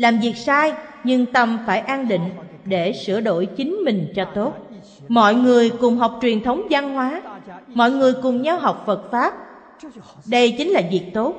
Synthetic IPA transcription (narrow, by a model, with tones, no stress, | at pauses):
laː˨˩mvi˨˩ək̚saː˧jɲɨ˧ŋt̪ə˨˧˩mfaː˧˩jʔaː˧nɗḭ˧˨ŋ̟ | ɗe˧˩sɨ̰˧˩əɗo̰˧˩jt͡ɕï˨˦ŋ̟mï˨˩ŋ̟t͡ɕɔ˧t̪o˦˥t̚ | mɔ̰˧˨jŋɨ˨˩əjkʊ˨˩ŋ͡mɦa˨˩wk͡p̚t͡ɕwi˨˩ənt̪ʰə˨˦wŋ͡mza˧nɦwaː˨˦mɔ̰˧˨jŋɨ˨˩əjkʊ˨˩ŋ͡mɲaː˧wɦa˨˩wk͡p̚fə˨˩t̚faː˦˥p̚ | ɗə˧jt͡ɕi˨˦ŋ̟laː˨˩vi˨˩ək̚t̪o˦˥t̚